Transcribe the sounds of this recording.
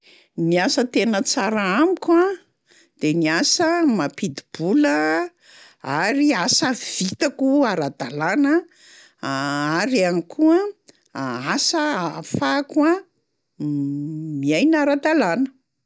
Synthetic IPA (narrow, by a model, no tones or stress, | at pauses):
niasət̪enət͡saɾaamikʲa | d̪̥eniasəmapid̪ib̥ulə | aɾiasəv̥it̪akuaɾad̪alanə | aɾianikʰuə | asəafakua | miajnaɾad̪alanə̥